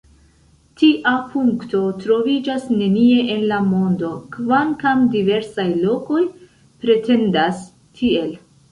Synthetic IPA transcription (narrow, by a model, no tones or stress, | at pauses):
tiʔapuŋkto̞tɾo̞vid͡ʒasne̞nie̞ʔenlamo̞ndo̞kvaŋkamdive̞ɾsajlo̞ko̞j | pɾe̞te̞ndas | tʰie̞l